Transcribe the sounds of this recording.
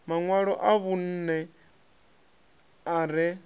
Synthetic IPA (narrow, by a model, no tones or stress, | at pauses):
maŋwaɺɔʔaβun̩ːnɛ | aɾɛ